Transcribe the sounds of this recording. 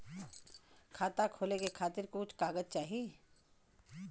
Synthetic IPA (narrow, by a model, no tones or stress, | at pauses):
kʰaːt̪akʰoːlekekʰaːt̪ɪɾkoʊt͡ʃʰkaːɡəd͡ʒt͡ʃaːɦie